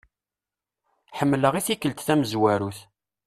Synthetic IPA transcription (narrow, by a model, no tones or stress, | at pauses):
ħəmːləʁiθikːəlt̪θæməzwæɾuθ